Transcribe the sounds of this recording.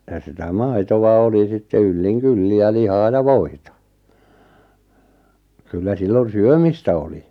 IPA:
jɑ sitæ mɑi̞toʋɑ oli sitːe ylːiŋ kylːi jɑ lihɑː jɑ ʋoitɑ kylːæ silːon syømistæ oli

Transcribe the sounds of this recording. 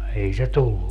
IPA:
ei se tulːu

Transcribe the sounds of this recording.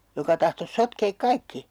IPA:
jokɑ tɑhtos sotkeːk kɑikːi

